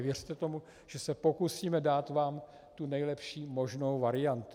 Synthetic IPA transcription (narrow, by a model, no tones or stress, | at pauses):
vjɛrt̪ɛt̪o̞mu | ʒ̥ɛsɛpo̞kusiːmɛdaːt̪vaːm | t̪unɛjlɛpʃiːmo̞ʒno̞wvaɾɪjant̪u